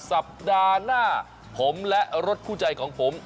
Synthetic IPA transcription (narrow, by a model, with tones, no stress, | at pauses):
sa˨˩p̚daː˧naː˥˩ | pʰo˩˦mlɛ˦˥ʔɾo˦˥t̪̚kʰuː˥˩t͡ɕa˧jkʰɔː˩˦ŋpʰo˩˦m